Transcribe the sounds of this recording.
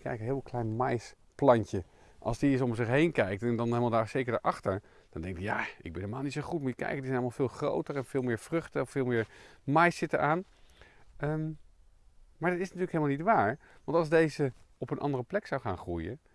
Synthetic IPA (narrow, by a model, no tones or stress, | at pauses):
kɛ̰jkənɦɪːlʋklɛjnmɛjs | plɑɲcə | ʔɑ̰lˠsdiɪs̬ɔmzɪχɦejnkɛjk̚tɛndɑnɦelmalˠdaːɹsejkəɹdə̰ɹʔɑχtəɹ | d̥ɑndɛŋk̚dija̰ɪɡbɛnhɦelmaːlˠnitsoχutmajəkɛ̰jkədəzɛnɑlˠmalˠvɪːlˠχro̰wtəɹɛnvɪːlˠmɪːɹvrɵχtəɔffɪːlˠmɪːɹmɑjsɪtəɹʔaːn | ə | maːɹdɑtɪsnatyːləkɦelˠmalˠnitʋaːɹ | ʋɑntɑlˠzdejzəɔpənʔɑ̰ndərəplɛksɑwχaːnχrujə